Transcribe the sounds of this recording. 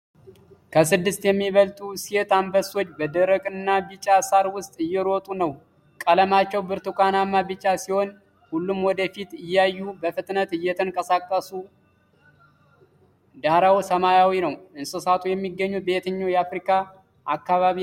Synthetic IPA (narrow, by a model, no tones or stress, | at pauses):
kʰəs̬ɨd̪ːɨst̪jɛmːiβəlt̪ʼusiet̪ambəso̞t͡ʃːbəd̪əɾəkʼɨnːabɨt͡ʃʼːasaɾwʊst̪ʼɨjːɛɾot̪ʼunəw | kʼələmat͡ʃːɛwbɨɾt̪ukʰʷanamːabɨt͡ʃʼːasiho̞n | hulːumwɔd̪əfit̪ɨjːajːubəfɨt̪ʼnət̪ɨjːɛt̪ʰəŋkʼəsakʼːəsu | d̪aɾawsəmajawinəwɨnsɨsat̪ʰujɛmːiɡːəɲːube̞t̪ʰɨɲːojɛafɾikʰa | ʔakːaβaβi